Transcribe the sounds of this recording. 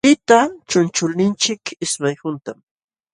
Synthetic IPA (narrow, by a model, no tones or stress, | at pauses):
pɪt̪at͡ʃʊnt͡ʃʊlnɪnt͡ʃɪkɪsmajhʊnt̪am